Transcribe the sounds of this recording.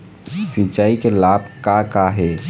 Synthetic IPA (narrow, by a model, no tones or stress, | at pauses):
sɪt͡ʃaːikelaːb̚ʱkakaɦɛː